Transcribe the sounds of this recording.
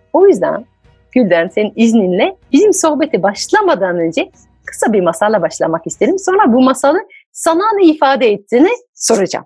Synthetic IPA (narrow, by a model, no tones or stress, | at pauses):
o̞jyzd̪æ̰n | ɟylʲd̪ænseninizninlʲɛbizimso̞hbe̞t̪ʰibaʃlˠamad̪aːnø̞nd͡ʒɛ | kʰɯ̥sabiɾmasalˠabaʃlˠa̰makist̪ʰe̞ɾimso̞nɾabumasalˠɯ | sananɯifaːd̪ɛːt̪ʰːiːni | so̞ɾad͡ʒa̰m